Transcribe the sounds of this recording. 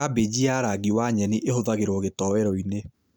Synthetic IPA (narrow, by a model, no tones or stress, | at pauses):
abed͡ʑiaɾaɡiwaɲɛniʔehoðaɣeɾwɔɣetɔwɛɾɔine